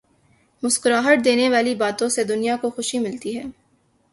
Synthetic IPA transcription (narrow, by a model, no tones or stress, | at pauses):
mʊskɾaːɦəʈ̚d̪eːneʋaːlibaːt̪õsed̪ʊnijakoxʊʃimɪlt̪iɦɛː